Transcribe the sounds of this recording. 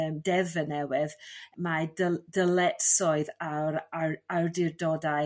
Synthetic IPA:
əmdɛvənɛwɪðmadədəlɛtsɔɨðaɾaardɪrdɔda

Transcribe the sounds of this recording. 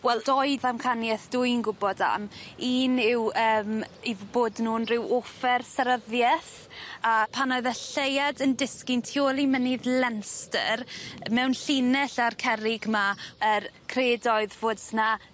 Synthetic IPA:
wɛlˠd̥ɔjðamkʰanjɛθd̥uːnɡʊbɔda̰miːnɪwəːmiboːdnuːnrɪwofɛrsaɾəðjɛθ | apʰanɔɨðəɬejadəndɪskɪntʰjoːlˠimənɪðlɛnstə̰rmɛwnɬinɛɬarkʰɛɾɪɡmaəɾkʰreːdɔɨðvoːd̥sna

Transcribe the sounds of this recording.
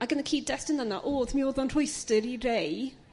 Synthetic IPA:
aɡənəkʰiːdɛstənanaʔoːðmioːðɔnr̥ʊjstəɾirej

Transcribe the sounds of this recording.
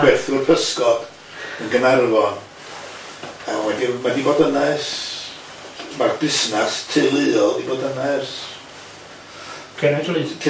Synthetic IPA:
wɛrθurpʰəskɔd̥ | ənɡənarvɔn | awɛdimadibodənɛs | marbɪsnastʰɨːlˠɨːɔlˠdibodənɛs | kʰɛnadulˠitʰ

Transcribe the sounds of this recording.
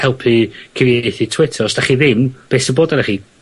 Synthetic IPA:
hɛlˠpʰikʰəvjejθitʰwɪtʰərɔsd̥aχiðɪmb̥eːsəboːdaɾaχi

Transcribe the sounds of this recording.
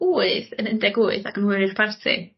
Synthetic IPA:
uːɨθənəndɛɡuːɨθaɡənwʊɾɪr̥pʰartʰḭ

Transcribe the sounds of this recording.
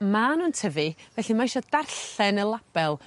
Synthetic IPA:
manuːntʰəvivɛɬimaiʃɔdarɬɛnəlˠab̥ɛlˠ

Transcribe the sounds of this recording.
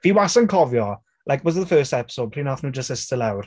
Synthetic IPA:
viːwasənkʰɔvjɔ | lʔajkwɔzðəfɜːstɛpɪ̥soːd̚pʰinaθnuːd͡ʒəsɪstəlawr̥

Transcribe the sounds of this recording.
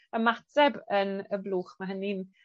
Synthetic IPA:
əmatʰɛbənəbluːχmaɦənin

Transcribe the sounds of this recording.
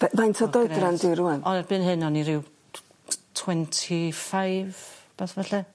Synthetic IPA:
vɛmajntʰɔdɔjɾɾandɪɾuɛnɔðɛrbɨnɦɨnɔniɾɪw | tʰwɛntʰifajvb̥ɛθvɛɬɛ

